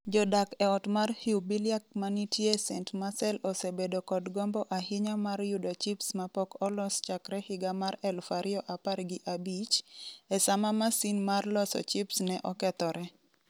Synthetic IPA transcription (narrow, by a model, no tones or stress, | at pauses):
d͡ʒɔdakɛɔtmarhiwbiljak̚manitjesɛntmasɛlɔsebedokɔdɡɔmbɔʔaɦɪɲamarjudɔt͡ʃipsmapɔkɔlɔst͡ʃakɾɛhɪɡamaɾɛlfaɾɪɔʔaparɡɪʔabit͡ʃɛsamamasinmarlɔsɔ̰t͡ʃipsnɛʔɔkɛt̪ɔɾɛ